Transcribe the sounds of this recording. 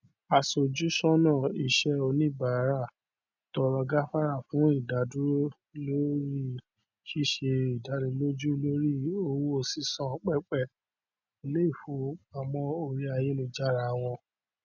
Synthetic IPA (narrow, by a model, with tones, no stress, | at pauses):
a˧so˨d͡ʒu˦ʃɔ˦nã˦˨i˨ʃɛ˧o˧nĩ˦˨ba˨˦ɾa˦˨ | tɔ˧ɾɔ˧ɡa˦fa˦ɾa˦˨fũ˨˦i˦˨da˨˦du˦ɾo˦ | lo˦ɾi˦ | ʃi˦˨ʃe˧i˨da˨˦ɾĩ˧lo˦d͡ʒu˦lo˦ɾi˦o˧wu˦o˧si˦sɔ̃˦˨k͡pɛ˦k͡pɛ˦˨ | i˨le˦i˦˨fo˧˦a˨mɔ̃˧o˧ɾi˦a˧je˨˦lo˧d͡ʒa˦ɾa˧˨w̃ɔ̃˧